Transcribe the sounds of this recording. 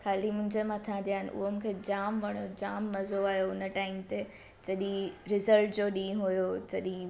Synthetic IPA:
xʰaːlimʊ̃ɦɪ̃ɲd͡ʑemãt̪ʰãːnd̪ʰijaːɦɪnʔʊ̰ɦomũːkʰed͡ʑaːmʋɐɽ̃od͡ʑaːmːɐzoaːɦjoʊnə̆ʈaːɪmt̪e | t͡ɕɐɗĩɾɪzəɾʈd͡ʑoːɗĩːɦʊjot͡ɕɐɗĩ

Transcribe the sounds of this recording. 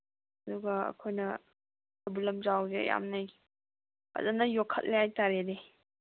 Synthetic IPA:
ɐduɡɐɐ̰kʰojnɐ | ɐbulɐmzawzeja̰mnaj | ɐ̰zanɐjokʰːət̚leajtaɾede

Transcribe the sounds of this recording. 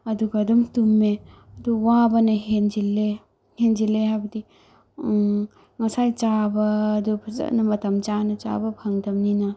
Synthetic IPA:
ɐduɡɐːdumtume | ɐduwabɐnɐɦend͡ʒilːe | hend͡ʒileɦabɐdi | ŋɐsajt͡ʃabɐːdub̰nɐmɐtɐmt͡ʃanɐt͡ʃa̰bɐbʱɐŋdɐmninɐ

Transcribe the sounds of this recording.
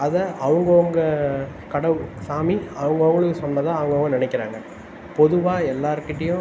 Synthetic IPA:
ɐðɐɐʋɐŋɡɐːŋɡɐ | kɐɽɐʋsaːmiɐʋɐŋɡɐɔŋɡɐɭɯkːɯsɔnːɐðãːɐʋɐŋɡɔɡɐnɪnɛɪkːɪɾa̰ːŋɡɐ | pɔðɯʋaːɛlːaːɾɯkːɪʈːɐjʊ̃

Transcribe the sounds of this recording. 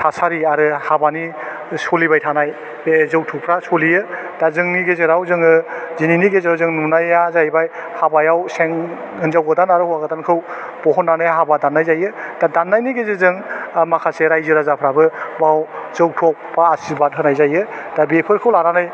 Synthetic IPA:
tʰasaɾiaɾɯhabani | sɔlibajtʰanaj | zɯwtʰupʰɾasɔlijɯ | d̥azɯŋniɡezɯɾawzɯŋɯzininiɡezawzɯŋnunajazajbajhabajawseŋ | ɯnzawɡɯdanaɾɯhuwaɡɯdankʰɯw | b̥ɔɦɔnːanɯjaɦabadanːajzajɯd̥adanːajniɡezezɯŋmakʰaseɾajzɯɾazapʰɾabɯbawzɯwtʰɔk̚paːsibat̚ɦɯnajzajɯd̥abepʰɯɾkʰɯwlaɾanaj

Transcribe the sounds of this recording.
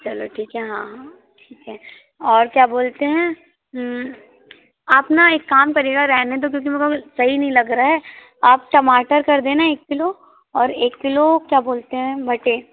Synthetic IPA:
t͡ʃɐloːʈʰiːkɦɛɦãː | ʈʰiːkɦɛ̃ː | ɔːɾkjaːboːlt̪eɦɛ̃ː | ɦ | apnaeːkːaːmkɐɾiːɡaɾɛɦnet̪̬okjõːk̬imeɡosɐɦinɐɦĩlɐɡɾaɦɛː | aːp̚ʈɐmaːʈəɾkɐɾd̪ẽːnaeːkːɪlo | ɔːɾeːkːɪlokjaːboːlt̪eɦɛ̃bʱɐʈe

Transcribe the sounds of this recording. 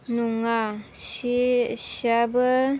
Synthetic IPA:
nuŋaʃiʃabə

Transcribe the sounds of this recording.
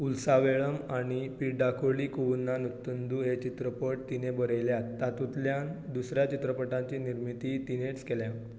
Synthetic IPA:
ulsaʋeɭəmaɽ̃ipiɖakʰoɭiːkuʋunːanut̪ːənd̪uɦet͡ɕit̪ɾəpəʈ̚t̪inebəɾəjljat̪ːat̪ut̪ljand̪usɾjat͡ɕit̪ɾəpəʈãɲt͡ɕiːniɾmit̪it̪ineʈskeljã

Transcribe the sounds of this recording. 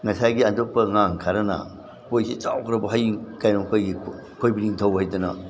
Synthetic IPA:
ŋɐsajɡiandok̚pɐŋaŋkʰaɾɐna̰ | pojsit͡ʃawkʰɾɐbɐɦajkajnoŋkʰojɡi | kʰojbiniŋtʰɐwhajdɐnɐ̰

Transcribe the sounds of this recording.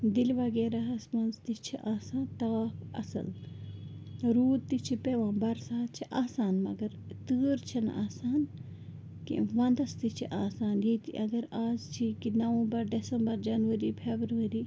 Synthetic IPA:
d̪ilʋɐɡeːɾaɦɐsmɐnzt̪it͡ʃʰiʔaːsaːnt̪ɐaːkɐ̰sɐ̰l | ɾuːd̪̚t̪it͡ʃʰipeʋãːbɐɾsaːt̪̚t͡ʃʰiʔaːsaːnmɐ̰ɡɐɾt̪ɨːɾt͡ʃʰɐna̰ːsaːn | kḭʋɐnd̪ɐst̪it͡ʃʰiʔaːsaːnjet̪ḭʔɐɡɐɾaːzt͡ʃʰikinɐʋɐ̃bɐɾɖesɐmbɐɾd͡ʒɐnʋɐɾipʰebɾʋɐɾi

